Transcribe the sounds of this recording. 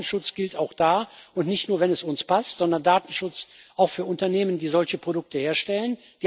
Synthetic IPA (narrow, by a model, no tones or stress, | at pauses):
n̩ʃʊt͡sɡ̥ɪltaʊxd̥aːʊntnɪçtnuːɐvɛnɛsʊnspastz̥ɔndɐndaːtn̩ʃʊt͡sʔaʊxfyːɐʔʊntɐneːməndiːzɔlçəpʁ̥odʊk̚təheːɐʃtɛlən | d̥iː